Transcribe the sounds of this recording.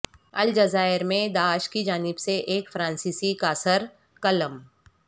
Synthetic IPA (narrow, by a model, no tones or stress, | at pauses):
ɐld͡ʒɐzaːɪɾmẽd̪aːʃkid͡ʒaːnɪbseʔeːkfɾãːnsiːsikaːsəɾ | kɐləm